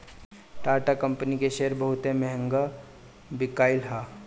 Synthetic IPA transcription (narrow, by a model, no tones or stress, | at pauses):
ʈaːɾʈakɐ̃mpənikeʃeːəɾbəɦʊt̪emɛɦə̃ŋɡa | bɪkaːɪlɦaː